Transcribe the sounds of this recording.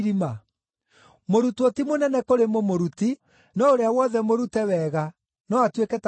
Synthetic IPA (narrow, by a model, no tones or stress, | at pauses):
ɾima | moɾutwotimonɛnɛkoɾemomoɾuti | nɔoɾeawɔðɛmoɾutɛwɛɣa | nɔatwekɛt